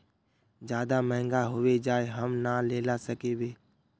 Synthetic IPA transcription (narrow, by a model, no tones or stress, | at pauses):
d͡ʒjaːd̪aməɦɪ̃ŋɡaɦʊʋed͡ʒaːeɦəmnaːleːlasəkeːʋeː